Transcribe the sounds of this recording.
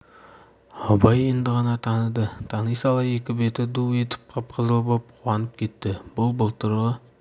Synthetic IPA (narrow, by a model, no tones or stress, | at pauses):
ɑbɑjend̪ɪʁɑnɑt̪ʰɑnəd̪ət̪ʰɑnijsɑlˠɑjekʲɪbe̞t̪ɪd̪uwe̞t̪ʰɪ̥p̚qʰɑp̚qʰəzəlˠbop̚qʰuwɑnəp̚kʲʰe̞t̪ːɪbʊlˠbəlˠt̪əɾʁə